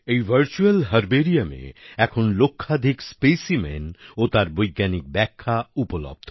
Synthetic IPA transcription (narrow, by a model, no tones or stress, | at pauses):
ejbʱəɾt͡ʃuelɦəɾbeɾijamḛɛkʰonlokʰːad̪ʱikspesimḛnot̪aɾbɔjɡanik̚bɛkʰːaupɔlɔ̰b̚d̪ʱɔ